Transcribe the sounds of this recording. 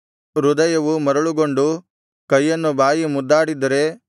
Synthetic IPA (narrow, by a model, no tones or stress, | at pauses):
ɾud̪ɐjɐʋumɐɾɐɭuɡoɳɖu | kɐjːɐnːubaːjimud̪ːaːɽid̪ɐɾe̞